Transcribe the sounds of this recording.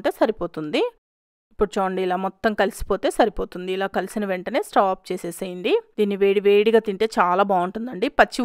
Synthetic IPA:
ɳʈe̞ːsɐɾipo̞ːt̪und̪i | ipːuɽut͡ʃoːɐɳɖiilaːmɔt̪ːɐmkɐlisi̥po̞ːt̪e̞ːsɐɾipo̞ːt̪und̪iːlaːkɐlisinɐʋeɳʈɐne̞ːsʈaːp̚t͡ʃeːseːsɐjind̪id̪iːnːiʋeːɽiʋe̞ːɽiɡaːt̪iɳʈe̞ːt͡ʃaːlaːbaːuɳʈund̪ɐɳɖipɐt͡ʃːi

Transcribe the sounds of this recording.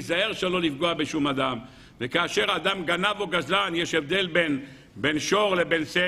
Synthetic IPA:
zaeʁʃelo̞lifɡoabeʃumad̪am | vekaːʃe̞ʁaːd̪amɡanavoɡazlanjeʃevd̪e̞lben | benʃo̞ʁlebense

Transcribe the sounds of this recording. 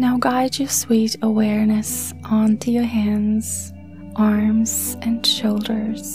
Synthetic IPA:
naʊɡaɪd͡ʒəswiɾəwɛɹnɨsʔɑ̃ntʰujə˞ɦæ̃nz̥ | ʔɑɹmz̥ɨ̃nʃoʊlˠdə˞z̥

